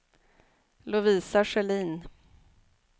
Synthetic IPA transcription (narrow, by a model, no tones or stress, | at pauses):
lʊviːsaʂɛliːn